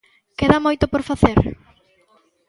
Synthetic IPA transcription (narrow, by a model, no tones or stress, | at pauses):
keðamojt̪ʊpoɾfaθeɾ